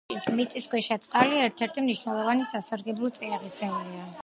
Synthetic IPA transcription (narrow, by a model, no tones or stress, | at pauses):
mit̪ʼiskwɛʃɛt̪sʼqʼaliɛɾt̪ʰɛɾt̪ʰimniʃwnɛlˠɔvanisasaɾɡɛblˠut̪sʼiaʁisɛulia